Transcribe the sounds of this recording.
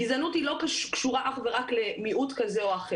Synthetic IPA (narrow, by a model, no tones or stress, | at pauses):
izanuthilo̞kaʃkʃuʁaʔaχve̞ʁakle̞miʔutkazeoaχe